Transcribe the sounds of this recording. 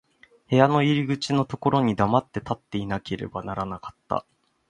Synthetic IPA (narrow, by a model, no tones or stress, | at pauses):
he̞jano̞iɾʲiɡɯ̟t͡ɕino̞t̪o̞ko̞ɾo̞ɲ̟id̪amat̪ːe̞t̪at̪ːe̞inake̞ɾe̞̰banaɾanakḁt̪ːa̰